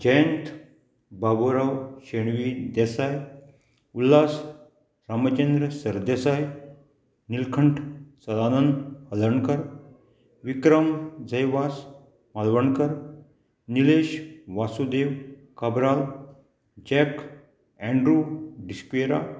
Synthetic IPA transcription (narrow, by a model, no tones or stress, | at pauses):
d͡ʑəjənt̪ | baboɾawʃeɳʋid̪esaːj | ulːaːs | ɾamət͡ʃend̪ɾəsəɾd̪esaːj | nilkʰəɳʈʰsɐd̪aːnənd̪hɐləɳkəɾ | ʋikɾəmd͡zəjʋaːs | malʋəɳkəɾ | nileːʃʋasud̪eːw | kabɾaːl | d͡ʑɛk | ɛ̃ɳɖɾuɖiskʋeɾa̰